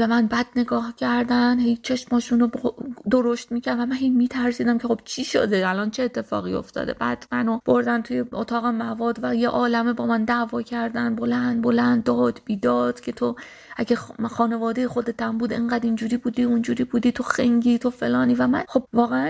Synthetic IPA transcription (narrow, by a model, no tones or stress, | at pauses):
bemænbæd̪̚ne̞ɡɒːhcʲʰæɾd̪ænd̪ɦejt͡ʃʰe̞ʃmɒːʃunobd̪o̞ɾoʃt̪miːcʰæɾvæmænɦejmiːt̪ʰæɾsiːd̪æmkʲʰe̞xo̞b̥t͡ʃʰiʃo̰d̪eælɒnt͡ʃʰeːt̪ʰːe̞fɒ̰ːɣio̞̰ft̪ʰɒ̰ːd̪e̞̰bæ̰d̪̥mænob̥o̞ɾd̪ænt̪ʰujeot̪ʰɒːɣemævɒːd̪væjeʔɒːlæmebɒːmænd̪ævɒːcʰæɾd̪ænbo̞lænd̪bo̞lænd̪ːɒːd̪̥biːd̪ɒːd̪̥cʰe̞t̪ʰo | ʔæɡexɒːne̞vɒːd̪e̞jexo̞d̪e̞t̪æmbuːd̪eŋɢæd̪ind͡ʒuːɾiːbuːd̪iund͡ʒuːɾiːbuːd̪iːt̪ʰoxeŋɟiːt̪ʰo̞fe̞̰lɒːniːvæmænxo̞bvɒːɣeæn